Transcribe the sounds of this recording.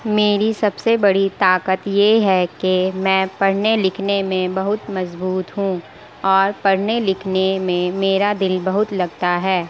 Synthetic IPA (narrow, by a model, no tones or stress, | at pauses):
meːɾisɐbsebɐɽit̪aːkət̪jeɦɛkemɛ̃ːpɐɽ̤nelɪkʰnemẽbɐɦʊt̪mɐzbuːt̪ɦũ | ɔːɾpɐɽ̤nelɪkʰnemẽmeːɾad̪ɪlbɐɦʊt̪lɐɡt̪aɦɛː